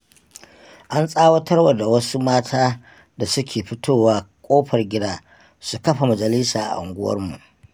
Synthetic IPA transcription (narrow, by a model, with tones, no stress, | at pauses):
ʔa˦nsʼaː˦wɐ˦tʰɐ˦rwɐ˨da˨wɐ˦su˦maː˦tʰaː˦ | da˨sʊ˦kʲeː˨ɸɪ˦tʰoː˦waː˦kʷʼoː˦ɸɐ˨rɡʲɪ˦daː˦ | su˨kɐ˦ɸa˨mɐ˨d͡ʒɐ˨lɪ˦saː˨ʔa̰˨ʔʊ̰˨ŋɡʷʊ˦wɐ̰˦rmṵ˨ʔ